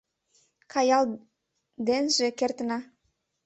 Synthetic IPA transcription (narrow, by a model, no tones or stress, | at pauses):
kʰɑjɑl | d̪enʒĕkert̪ənɑ